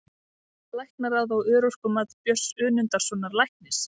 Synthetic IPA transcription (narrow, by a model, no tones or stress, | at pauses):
lajhknaɾawðawʏːɾowskʏmaðpjœsʏːnʏnt̪aɾ̥sɔnːaɾlajhknɪs